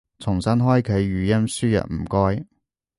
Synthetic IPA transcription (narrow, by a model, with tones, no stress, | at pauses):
t͡sʰʊ˨˩ŋsɐ˥nɦɔː˥jkʰɵ˨˧jːyː˨˥jɐ˥nsyː˥jɐ̰˨t̚m̩˨˩kɔː˥j